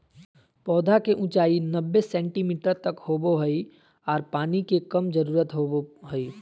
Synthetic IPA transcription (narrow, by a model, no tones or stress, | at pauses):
pɔːd̪ʱakeʔʊ̃t͡ʃaːinɐbːesɛ̃ːɳʈimiːʈəɾt̪ɐkhoːboɦəi | ɔːɾpaːnikekɐmd͡ʒəɾuːɾət̪ɦooɦəiː